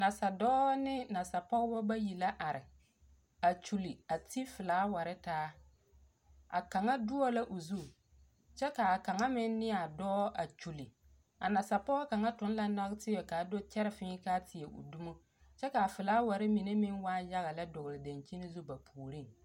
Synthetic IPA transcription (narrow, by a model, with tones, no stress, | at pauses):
na˨sa˨dɔː˦nɪ˦na˨sa˨pɔ˦ɣbɔ˦ba˦ji˨la˦ʔa˨ɾɪ˨ | a˨t͡ʃu˨li˨a˨ti˦fɪ˨laː˨˦wa˨ɾɪ˦taː˦ | a̰˨ka˨ŋa˦dʊ˦ɔ˦la˦ʔo˨zu˦˨ | t͡ʃɛ˦ka˨a˨ka˨ŋa˦mɪ˦nːɪ˦a˨dɔː˦a˨t͡ʃu˨li˨ | a̰˨na˨sa˨pɔ˦ɣɔ˦ka˨ŋa˦tʊ˦n˦la˦na˦ɣtɪ˦jɛ˨ka˨do˦t͡ʃɛ˦ɾɪ˦fɪ˦kaː˦tʰɪ˨e˨ʔʊ̰˨du˦mo˦ | t͡ʃɛ˦ka˨a˨fɪ˨laː˦wa˨ɾɪ˦mi˨ne˦mɪ˦nwaː˦ja˦ɣa˨la˦dʊ˨ɣɪ˨lɪ˨da˨nt͡ʃi˦nɪ˦zu˦ba˨pʰuː˨ɾi˦˨ŋ